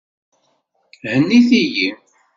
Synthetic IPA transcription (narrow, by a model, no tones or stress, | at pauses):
hənːiθiji